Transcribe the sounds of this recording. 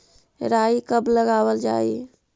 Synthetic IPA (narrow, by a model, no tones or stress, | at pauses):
ɾaikəbləɡawəld͡ʒa̰i